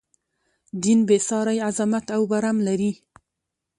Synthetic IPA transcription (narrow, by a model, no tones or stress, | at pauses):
d̪inbesɑɾajazamat̪awbaɾamlaɾi